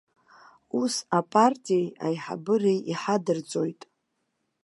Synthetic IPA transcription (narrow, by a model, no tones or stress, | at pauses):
usapʼartʼijeja̰jħa̰bɨrejiħadɨrd͡zʼo̞jtʼ